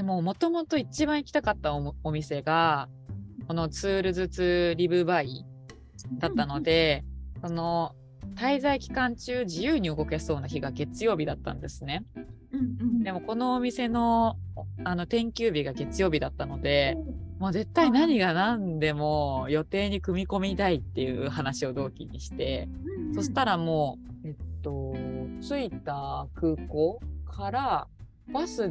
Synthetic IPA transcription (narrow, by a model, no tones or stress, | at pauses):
d̪̥e̞mo̞mo̞t̪o̞mo̞t̪o̞it͡ɕibãɰ̃ikʲi̥t̪akat̪ːaoomʲise̞ɡa | ko̞no̞t͡sɨːɾɯ̟zɨt͡sɨɾʲibɯ̟bai | d̪at̪ːano̞d̪e̞so̞no̞ | t̪aizaikʲi̥kãɲ̟t͡ɕɨːd͡ʑijɯːɲ̟iɯ̟ɡo̞ke̞so̞ːnaçiɡaɡe̞t͡sɨjo̞ːbʲid̪at̪ːã̰nd̪e̞sɨne̞ | d̪e̞mo̞ko̞no̞ːmʲise̞no̞ | ano̞t̪ẽ̞ŋkʲɨːbʲiɡaɡe̞t͡sɨjo̞ːbʲid̪at̪ːano̞d̪e̞mo̞ːze̞t̪ːainaɲ̟iɡanãnd̪e̞mo̞jo̞t̪e̞ːɲ̟ikɯ̟mʲiko̞mʲit̪ait̪ːe̞jɯ̟ːhanaɕio̞d̪o̞ːkʲḭɲ̟iɕi̥t̪e̞so̞ɕi̥t̪aɾamo̞ːe̞tt̪ːo̞t͡sɨit̪akɯ̟ːko̞ːkʰaɾa | βasɨ